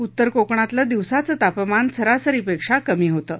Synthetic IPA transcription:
ut̪ːəɾkokɳ̃at̪ləd̪iʋsat͡sət̪apmansʰəɾasəɾipekʂakəmiːɦot̪əː

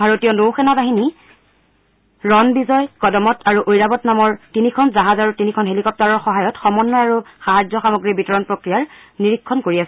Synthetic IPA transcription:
bʱaɹotijɔnowxɛnabaɦini | ɹɔnbizɔjkɔdɔmɔtʰaɹuʔojɹabɔtnamɔɹtinikʰɔnzaɦazaɹutinikʰɔnɦelikɔp̚taɹɔɹxɔɦajɔtxɔmɔnːɔjaɹuxaɦazjɔxamoɡɹibitɔɹɔnpɹokɹijaɹniɹikʰːɔnkoɹiasɛ

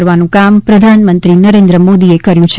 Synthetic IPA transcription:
ɾʋanũkampɾəd̪ʱanmənt̪ɾinəɾend̪ɾəmod̪iekəɾjũt͡ʃʰ

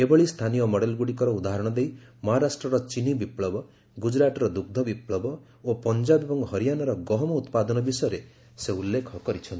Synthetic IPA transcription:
ebɔɭist̪ʰanijɔmɔɽelɡuɽikɔɾɔud̪aɦɔɾɔɽ̃ɔd̪ejmɔɦaɾasʈɾɔɾɔt͡ʃinibipɭɔbɔ | ɡud͡ʒɾaʈɔɾɔd̪uɡ̚d̪ʱɔbipɭɔbɔ | opɔnd͡ʒabebɔŋɡɦɔɾijanɔɾɔɡɔɦɔmɔut̪pad̪ɔnɔbisɔjɔɾe | seulːekʰɔkɔɾit͡ʃʰɔnt̪i̥

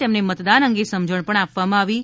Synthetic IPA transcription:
emnemət̪d̪anəŋɡesəmd͡ʒəɳpəɳapʋamãaʋi

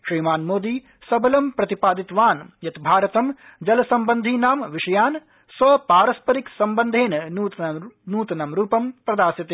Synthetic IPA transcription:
ʃɾiːmaːnmoːd̪iː | sɐbɐlɐmpɾɐt̪ipaːd̪it̪ʋaːnjɐt̪bʱaːɾɐt̪ɐmd͡ʒɐlɐsɐmbɐnd̪ʱinaːmʋiʂɐjaːn | sʋɐpaːɾɐspɐɾiksɐmbɐnd̪ʱeːnː | nuːt̪ɐnɐmɾuːpɐmpɾɐd̪aːsɐt̪e

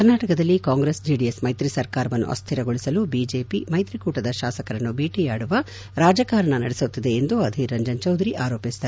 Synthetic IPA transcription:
ɐɾnaːʈɐkɐd̪ɐlːikaːŋɡɾeːsd͡ʒiːɖiesmɐjt̪ɾisɐɾkaːɾɐʋɐnːṵʔɐ̰st̪ʰiɾɐɡoɭisɐlubid͡ʒe̞ːpimɐjt̪ɾikuːʈɐd̪ɐʃaːsɐkɐɾɐnːubiːʈijaːɽuʋɐ | ɾaːd͡ʒɐkaːɾɐɳɐnɐɽesut̪ːid̪e̞ːnd̪uɐd̪ʱiɾɐɲd͡ʒɐnt͡ʃɐwd̪ɐɾiʔaːɾoːpisi̥t̪ɐ

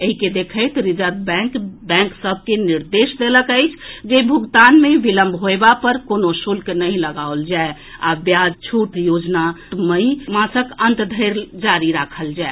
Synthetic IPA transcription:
eɦiked̪ekʰəɪt̪ɾid͡ʒəɾd̪̚bɛ̃kbɛ̃ŋksəb̚ʱkeniɾd̪esd̪eləkəjt͡ʃʰd͡ʒebʱuɡt̪anmebiləmbʱɦoebapəɾkonosulknəĩləɡaold͡ʒae | a̰bjad͡ʒt͡ʃʰuʈjod͡ʒnaməmãsəkənt̪d̪ʱəɾd͡ʒaɾiɾakʰəld͡ʒae

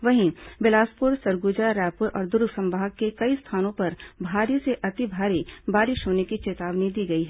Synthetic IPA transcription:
ʋɐɦĩbɪlaːspʊɾsɐɾɡuːd͡ʒaɾɛːpʊɾʔɔ̰ːɾd̪ʊɾɡsɐ̃mbaːɡkːekɐist̪ʰaːnõpɐɾbʱaːɾjiseʔɐt̪ibʱaːɾibaːɾɪʃɦoːnekit͡ʃeːt̪aːʋnid̪iːɡɐiɦɛː

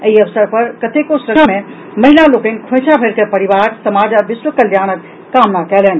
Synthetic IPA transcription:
əiəʋsəɾpəɾkət̪ekosɾəəme | məɦilalokə̃nkʰõsʰabʱeɾkepəɾiʋaɾsəmad͡ʒaʋɪswəkəljañəkː | amnakɛlɛn̆

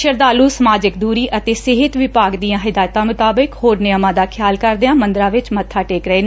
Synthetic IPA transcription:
ʃəɾd̪aːluːsəmaːd͡ʒɪkd̪uːɾiːʔət̪eːsɪɦɪt̪ʋɪpaːɡd̪ijãːɦɪd̪aːjət̪ãːmʊt̪aːbɪkhoːɾnɪjəmãːd̪aːkʰɪjaːlkəɾd̪ãːmənd̪ɾãːʋɪt͡ʃmət̪ʰːaːʈeːkɾəeːn

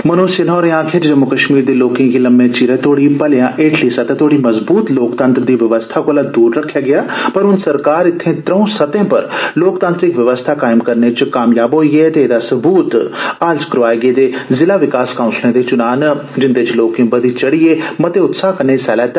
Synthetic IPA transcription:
mənõːsɪnɔːɾẽːãːkʰeːt͡ʃd͡ʒəmːʊkəʃmiːɾd̪eːloːkɪ̃ŋkiːləmːẽːt͡ʃiːɾeːt̪ʰoːɽiːpəljãːʔeːʈʰliːsət̪ɛːt̪ʰoːɽiːməzbuːt̪loːkt̪ə̃nt̪ɾd̪iːʋəʋəst̪ʰaːkoːlaːd̪uːɾːəkʰːjaːɡɪaːpəɾʊnsəɾkaːɾɪt̪ʰːẽːt̪ɾəũːsət̪ẽːpəɾloːkt̪ãːnt̪ɾɪkʋəʋəst̪ʰaːkaːɪmkəɾneːt͡ʃkaːmjaːbɦoːiːɡeːt̪eːd̪aːsəbuːt̪aːld͡ʒkəɾʋaːeːɡeːd̪eːzɪlaːʋɪkaːskãːʊ̃nslẽːd̪eːt͡ʃʊnaːnd͡ʒɪnd̪et͡ʃloːkɪ̃bəd̪iːt͡ʃəɽiːeːmət̪eːʊt̪saːkəɾneːsɛːlɛːt̪

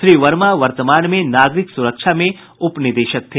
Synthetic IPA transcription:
ʃɾiːʋɐɾmaʋɐɾt̪əmaːnmẽnaːɡɾɪksʊɾəkʃʰamẽ | ʊpnɪd̪eːʃək̚t̪ʰeː

